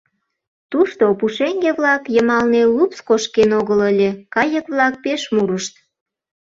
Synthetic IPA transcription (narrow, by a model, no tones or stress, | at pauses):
t̪uʃt̪opuʃeŋɡeβlɑkjəmɑlnelupskoʃkenoɣələlʲekɑjəkβlɑk̚peʃmuɾəʃt̪̚